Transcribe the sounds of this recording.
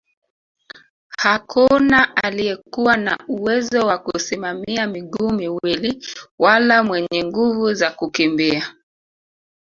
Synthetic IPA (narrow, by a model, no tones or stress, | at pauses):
hakunaʔaliɛkuwana̰uwɛzɔwakusimamiamiɠuːmiwiliwalamwɛɲɛŋɡuvuzakukimbia